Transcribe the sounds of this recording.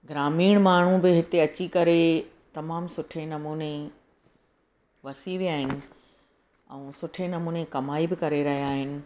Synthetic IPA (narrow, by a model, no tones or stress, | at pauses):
ɡɾaːmiːɽ̃maːɳ̤ũbɪɦɪt̪eɐt͡ɕikɐɾe | t̪ɐmaːmsʊʈʰenɐmuːne | ʋɐsiʋiaːɦɪnɪ̆ | ɛ̰̃ːsʊʈʰenɐmuːnekɐmaːibɪkɐɾeɾɐɦijaːɦɪnɪ̆